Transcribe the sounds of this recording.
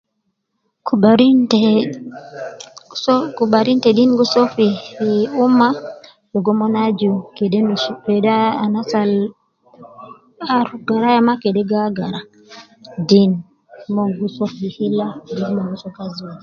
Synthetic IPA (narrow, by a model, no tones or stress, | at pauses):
aɾintɛ | kubaɾintɛdinɡusofiiumːa | jɔɡɔmɔnad͡ʒukɛdɛnkɛdaanasal | aɾuɡaɾajamakɛdɛɡaɡaɾa | din | mɔŋɡusofihilːadinmaɡusɔkaziwad͡ʒi